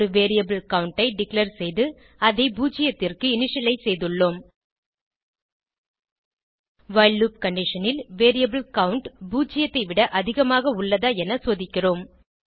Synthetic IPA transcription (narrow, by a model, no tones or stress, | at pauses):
ɾɯʋeːɾɪjɐbɯlkɐwʊɳʈɐɪɖɪklɐɾsɛjðɯ | ɐðɐɪbuːt͡ʃɪjɐt̪ːɪrkɯɪnɪʂjɐlɐɪsɛjðɯɭːoːm | ʋɐɪlːuːp̚kɐɳɖɪʂɐnɪlʋeːɾɪjɐbɯlkɐwʊɳʈbuːt͡ʃːɪjɐt̪ːɐɪʋɪɽɐʔɐðɪɣɐmaːɣɐʊɭːɐðaːɛnɐsoːðɪkʲːɪroːm